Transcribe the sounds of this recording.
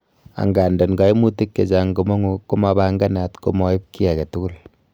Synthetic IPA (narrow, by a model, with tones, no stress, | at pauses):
a̰˨ŋɡa˨ndɔ˨nɡa˦i˦mu˦ti˦kːe˨d͡ʒa˨ŋɡo˨mo˦ŋu˦kːo˦ma˨ba˦ŋɡa˦na˨tko̰˨mɔ˦i˦p̚ki˦a˨kɛ˨tu˦ɡu˦l